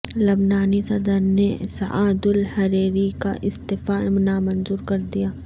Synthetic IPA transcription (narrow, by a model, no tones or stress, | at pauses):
lɐbnaːnisɐd̪əɾnesɐ̰ʔaːd̪ʊlhɐɾeːɾika̰ʔɪst̪ɪfaːmnamɐnzuːɾkɐɾd̪ijaː